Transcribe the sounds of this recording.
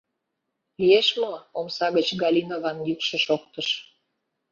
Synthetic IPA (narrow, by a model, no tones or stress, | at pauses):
lijeʃmoomsɑɣət͡ɕɡɑlʲinovɑnjykʃĕʃok̚t̪əʃ